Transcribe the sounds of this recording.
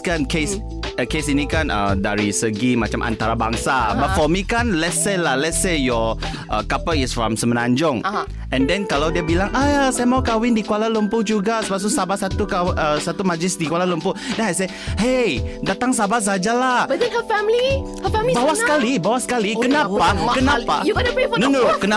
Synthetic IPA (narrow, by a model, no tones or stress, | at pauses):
kankes | əkesinikanʔə̰da̰ɹisəɡima̰t͡ʃamʔa̰nt̪aɾaba̰ŋsabəfɔmikanlɛtselahlɛtsejɔ | ʔə̰kapəisfɹɔ̃msəmənaɲd͡ʒʊŋ | ʔɛ̃ndɛ̃nkalawdiabilaŋʔajasajamaukawɪndikuwalaləmpud͡ʒuɡasəpasusabasat̪ukaʔəsat̪umad͡ʒlɪsdikwalaləmpʊdɛnajs̬a | hejdat̪aŋs̬abas̬ad͡ʒalahbdɛ̃nhəfɛmli | həfmibawasəkalibawasə̥kalikənapakənapa̰uɡɔnenonokəna